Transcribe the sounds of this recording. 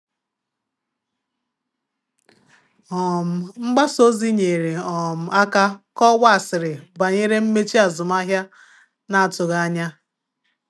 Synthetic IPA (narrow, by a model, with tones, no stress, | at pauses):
ɔ˨m̩˨ŋ͡m̩˦ɡ͡ba˦so˦zi˦ɲe˨ɾe˨ɔ˨m̩˨a˦ka˦kɔ˦wa˦a˨sɪ˨ɾɪ˨ba˨ɲe˦ɾe˦m̩˦me˦t͡ʃi˦a˨zʊ˨m˦a˦ɦja˦ | na˨a˨tʊ˨ɣa˦ɲa˦